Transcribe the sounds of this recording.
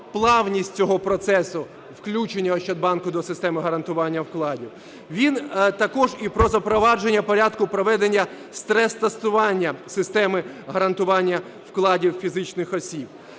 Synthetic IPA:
plˠɑwnʲisʲtʲt͡sʲɔɦɔpɾɔt̪sɛsʊ | wklʲut͡ʃenʲːɐɔʃt͡ʃɐd̪̚bɑnkʊd̪ɔsɪst̪ɛmɪɦɐɾɐnt̪ʊʋɑnʲːɐwklˠɑdʲiw | ʋʲint̪ɐkɔʒipɾɔzɐpɾɔʋɑd͡ʒenʲːɐpɔɾʲad̪kʊpɾɔʋɛd̪enʲːɐ | st̪ɾɛst̪ɐst̪ʊʋɑnʲːɐsɪst̪ɛmɪɦɐɾɐnt̪ʊʋɑnʲːɐ | wklˠɑdʲiwfʲizɪt͡ʃnɪxɔsʲib̥̚

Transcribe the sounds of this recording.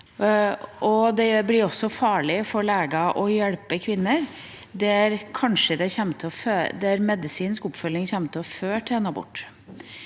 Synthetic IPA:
ʔɔd̪ɛjblɪɾɔsːɔfɑːɭɪfɔɾɭeːɡɑʔɔjɛɽpəkʰʋɪnːəɾ | d̪ɛæɾkʰɑnʂəd̪ɛçɛmːət̪ʰɔføːd̪ɛæɾmɛd̪ɪsiːnskʊpːfœlɪŋçɛmːət̪ʰɔføːʈʰɛnːɑbʊ̰ʈː

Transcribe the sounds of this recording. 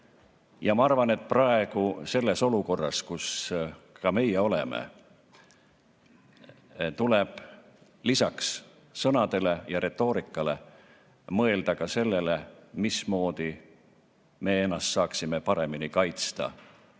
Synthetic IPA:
jɑmɑɑrvɑne̞t̪̚ˑprɑe̞ɡ̥use̞lːe̞so̞luko̞rːɑ̰skus | kɑme̞jːeo̞lḛmḛ | t̪ule̞b̥ | lisɑksː | ɤ̞nɑd̪e̞le̞jɑɾe̞t̪ːˑo̞ːɾikːˑɑle̞̰ | mɤe̞ld̪̥ɑkɑse̞lːe̞lemismo̞ːd̪̥i | me̞ːe̞nːɑst̪sɑːksime̞pɑɾe̞minikɑjt̪st̪ɑ̰

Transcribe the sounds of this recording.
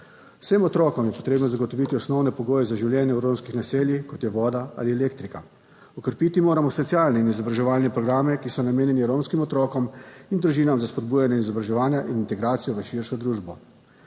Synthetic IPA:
w̥semɔt̪ɾɔːkɔmjɛpɔ̥t̪ɾeːbnɔzaɡɔt̪ɔʋit̪iɔsnɔwnɛpɔɡoːjɛzaʒiwljɛːnjɛuɾoːmskixnaseːljixkɔt̪jɛʋɔːd̪aa̰liɛleːk̚t̪ɾika | ɔkəɾpit̪imoːɾamɔsɔt̪siaːlnɛinizɔbɾaʒɛʋaːlnɛpɾɔɡɾaːmɛkisɔnameːnjɛniɾomskimɔt̪ɾɔːkɔmind̪ɾuʒiːnamzaspɔd̪̚buːjanjaizɔbɾaʒɛʋaːnjaʔinint̪ɛɡɾaːt̪sijɔʋəʃiɾʃɔd̪ɾuːʒbɔ

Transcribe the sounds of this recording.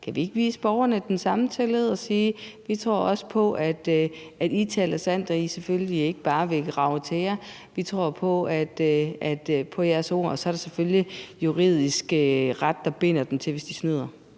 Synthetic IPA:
kʰæʋie̝ɡ̥əʋiːsəb̥ɒʊɐnəd̥ensɑ̈mt͡sʰeləð̞̩ˠɒ̽siːʋit͡sʰʁo̝ɐɒ̽sə̥pʰɒ̽ʔæd̥ | æd̥it͡sʰɛ̰lɐsæn̰d̥ɒisefølie̝ɡ̥əb̥ɑ̈ːʋe̝ɡ̥ʁɑ̈ʊt͡sʰe̝jɐ | ʋit͡sʰʁo̝ɐ̰pʰɒ̽æd̥ʔæd̥pʰɒ̽jæɐso̝̰ɐ̰ɒ̽sɒæɐɾ̥esefølijuʁið̞̰ˠisɡ̥əʁad̥ːɑ̈b̥e̝n̰ɐd̥emt͡sʰe̝ʋesd̥isnyð̰ˠɐ

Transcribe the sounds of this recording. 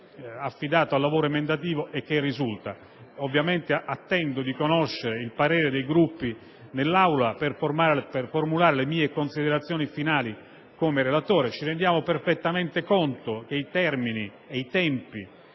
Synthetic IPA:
afːid̪aːt̪oalːavoːɾoimend̪at̪̬iːvoʔek̟ːerːizult̪a | ovːjament̪eʔat̪ːɛnd̪od̪ikonoʃːeɾeilpaɾeːɾed̪ejɡɾupːi | nelːawlaperformaːɾperformulaːɾelemiːekonsid̪eɾat̪sːjoːnifinaːli | komeɾelat̪oːɾet͡ʃiɾend̪jaːmoperfet̪ːament̪ekont̪ok̟eit̪ɛrmini | eit̪ɛmpi

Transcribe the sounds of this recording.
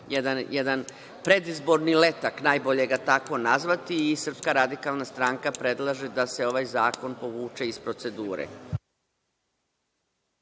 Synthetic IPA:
jɛd̪anjɛd̪an | pɾe̞d̪izbo̞ɾnile̞t̪aknaːjbo̞ʎe̞ɡat̪ako̞nazʋat̪iːsr̩pskaɾad̪ikalˠnast̪ɾaːŋkapɾe̞d̪lˠaʒed̪ase̞o̞ʋajzaːko̞npo̞ʋuːt͡ʃe̞ispɾo̞t̪se̞d̪uːɾḛ

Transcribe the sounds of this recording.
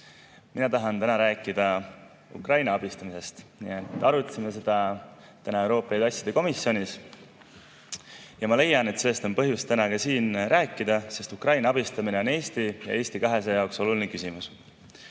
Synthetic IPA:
minɑt̪ɑɦɑnt̪ænɑɾæːkːˑid̪̥ɑ | ṵkrɑjnɑɑb̥ist̪ɑmise̞st̪nḭet̪ːˑɑɾut̪ːˑɑ̥simes̬e̞d̪̥ɑ | t̪ænɑewɾo̞ːpːˑɑid̪ɑsʲjɑd̪e̞ko̞misːio̞nʲis | jɑmɑle̞jɑne̞t̪se̞lːe̞st̪o̞npɤɦjust̪ænɑkɑsiːnræːkːˑid̪̥ɑse̞st̪ukrɑjnɑɑb̥ist̪ɑmineo̞ne̞ːst̪ijɑ̰ʔe̞ːst̪ikɑɦe̞s̬ejɑokso̞lulinekysimus

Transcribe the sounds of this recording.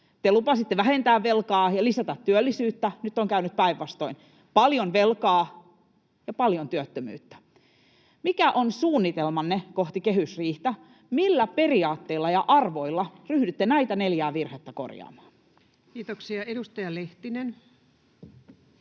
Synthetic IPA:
t̪elupɑsit̪ːeʋæhent̪æːʋʋelkɑːjɑlisæt̪æt̪tyølːisyːt̪ːænyt̪ːoŋkæynyt̪̚pæiʋʋɑst̪oin | pɑljonʋelkɑː | jɑpɑljont̪yøt̪ːømy̰ːt̪ːæ̥ | mikæʔonsuːnːit̪elmɑnːekoht̪ikeɦysriːht̪æ | milːæpe̞riɑːt̪ːeilːɑjɑʔɑrʋoilːɑryhdyt̪ːenæit̪æneljæːʋirhet̪ːæko̰rjɑ̰ːmɑ̥ːn | kiːt̪oksiɑedust̪ɑjɑleht̪inen

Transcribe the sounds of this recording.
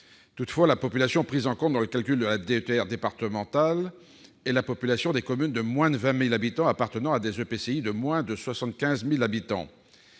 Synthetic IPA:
t̪ut̪fwalapɔpylasjɔ̃pχizɑ̃kɔ̃t̪̚d̪ɑ̃ləkalkʲyld̪əlad̪eøt̪eɛʁd̪epaʁt̪əmɑ̃t̪al | ɛlapɔpylasjɔ̃d̪ekɔmynd̪əmwɛ̃d̪əvɛ̃milabit̪ɑ̃apaʁt̪ənɑ̃ad̪ezøpeseid̪əmwɛ̃d̪əswasɑ̃t̪̚kʲɛ̃zmilabit̪ɑ̰̃

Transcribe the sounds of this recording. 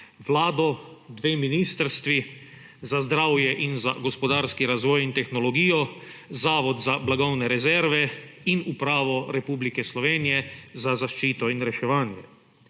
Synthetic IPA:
ʋlaːd̪ɔd̪ʋeːminiːst̪ɾst̪ʋi | zazd̪ɾaːwjɛʔinza̰ɡɔspɔd̪aːɾskiɾazʋɔːjint̪ɛxnɔlɔɡiːjɔzaːʋɔd̪zablaɡɔwnɛɾɛzɛɾʋɛinupɾaːʋɔɾɛpuːblikɛslɔʋeːnijɛzazaʃt͡ʃiːt̪ɔinɾɛʃɛʋaːnjɛ̰

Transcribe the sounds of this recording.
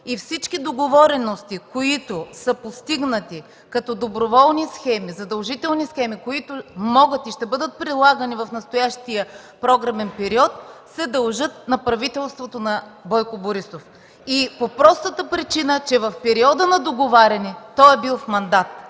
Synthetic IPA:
ifsit͡ʃk̟id̪oɡovɔɾɛnost̪ikoit̪ʊsəpost̪iɡnət̪i | kɐt̪ɔd̪obɾovɔlˠnisxɛmizɐd̪ɐlˠʒit̪ɛlˠnisxɛmikoit̪ʊmɔɡət̪iʃt̪ɛbɤd̪ət̪̚pɾilˠaɡənivɐfnɐst̪ʊjaʃt̪ijə | pɾɔɡɾɐmɛnpɛɾiɔt̪sɛd̪ɐlˠʒɤt̪nɐpɾɐvit̪ɛlˠst̪vot̪onɐbɔjkoboɾisof | ipopɾɔst̪ət̪əpɾit͡ʃinət͡ʃɛvɐfpɛɾiɔd̪ənɐd̪oɡovaɾʲɐnit̪ɔɛbilˠfmɐnd̪at̪

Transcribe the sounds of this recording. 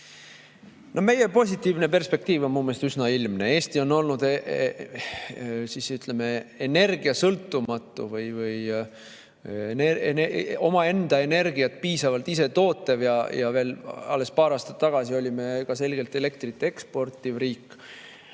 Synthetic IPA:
no̞me̞je̞po̞s̬ʲit̪ːiːvne̞pe̞rspe̞kt̪iːvo̞nmuːmeːst̪ysnɑilmneeːsʲt̪io̞nːo̞lnud̪̥e | sisyt̪le̞me̞ene̞rɡ̥iɑsɤlt̪ˑːumɑt̪ˑːṵvɯjvɯj | neneo̞mɑe̞nd̪̥ɑe̞ne̞rɡiɑt̪̚piːsɑvɑlt̪ise̞t̪o̞ːt̪ːˑevjɑjɑ̰ve̞ːlɑ̰lːe̞spɑːɾɑːst̪ɑt̪ːɑɡ̥ɑsio̞lʲime̞kɑse̞lɡ̥e̞lt̪ːe̞le̞k̚t̪rit̪ːˑee̞kspo̞rt̪ːˑivriːkːˑ

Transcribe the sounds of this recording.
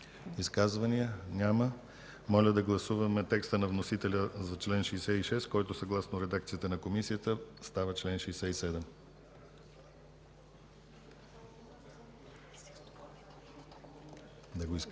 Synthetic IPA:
iskazvɐnijənʲamə | mɔlʲəd̪ɐɡlˠɐsuvɐmɛt̪ɛkst̪ənɐvnosit̪ɛlʲəzɐt͡ʃlɛnʃɛjsɛiʃɛskɔjt̪ʊsɐɡlˠasnoɾɛd̪ak̚t̪siət̪ənɐkomisijət̪əst̪avət͡ʃlɛnʃɛjsɛisɛd̪ɛm | d̪ɐɡoi

